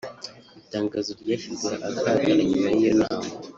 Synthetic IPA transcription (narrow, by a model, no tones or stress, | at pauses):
itaːŋɡazoɾɟaːʃizeʔakʰaɡanaɲimaiɾenaːma